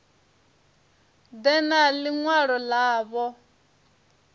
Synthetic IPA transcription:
d̪ɛnaliŋwaɺɔlaːβɔ

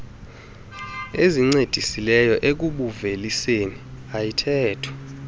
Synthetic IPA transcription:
eziŋ͡ǀed̥ʱisilɛjɔʔek̬uɓuveliseniajitʰɛːtʰɔ̥

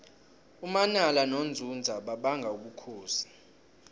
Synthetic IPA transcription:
umanalanond͡zʱund͡zʱaɓaɓaŋɡʱauk̬ukʰoːzḁ

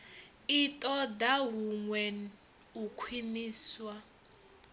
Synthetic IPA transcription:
itʼɔd̪aɦuŋwɛn | ukʰwiniːswa

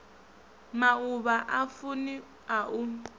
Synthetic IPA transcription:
mauβaʔafuni | aʔu

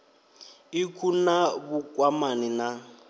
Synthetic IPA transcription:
ɪkʰunabukʼwamanina

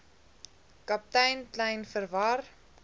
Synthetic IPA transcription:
kɐp̚tɛjntlɛjnfərvɐr

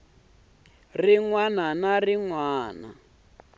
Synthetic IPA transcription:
riŋwananariŋwaːna̰

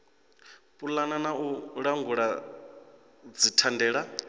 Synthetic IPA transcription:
pʼulananauɺaŋɡuɺa | d͡zitʰandɛːɺa

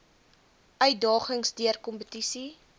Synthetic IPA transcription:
œɥt̚dɑːχəŋsdiərkɔmpətisi

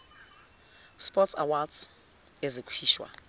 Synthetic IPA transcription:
spɔtsa̰wads | ezikʼʰiːʃwa̰

